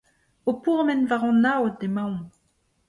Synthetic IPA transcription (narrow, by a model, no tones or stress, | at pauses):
opuʁmɛnvaʁɑ̃nawt̚demãw̃